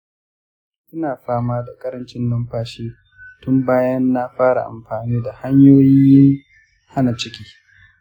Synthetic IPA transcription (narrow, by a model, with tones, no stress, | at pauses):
ʔɪ˦naː˨ɸaː˦maː˦da˨kʼɐ˦ɾɐ˦nt͡ʃɪ˦nːɐ˦mɸaː˦ʃiː˦ | tʊ˦mbaː˦jɐ˦nːa˦ɸaː˦ɾa̰˨ʔa̰˨mɸaː˨niː˦da˨ha˦ɲjoː˦jɪ˦ŋ | ha˦na˨t͡ʃɪ˦kʲiː˨